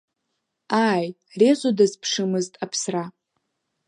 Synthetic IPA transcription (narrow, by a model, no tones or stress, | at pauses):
aːj | rezʷʼodɨzpʰʂɨmɨztʼapʰsra